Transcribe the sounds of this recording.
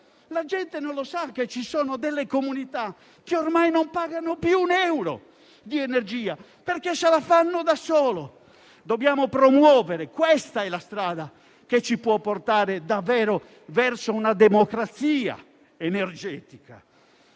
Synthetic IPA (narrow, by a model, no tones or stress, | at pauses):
lad͡ʒɛnt̪enõnlosakːet͡ʃːisɔːnod̪ɛlːekomunit̪a | kːeormajnompaɡanopjuːnɛwɾo̰ | d̪iɛnerd͡ʒiːa | perkesalafanːod̪asɔːlo | d̪objaːmopɾomwɔːveɾekwɛst̪aɛlast̪ɾaːd̪a | ket͡ʃːipwɔpːort̪aːɾed̪avːɛːɾo | vɛrsounad̪emokɾat̪siːa̰ | enerd͡ʒɛːt̪ika̰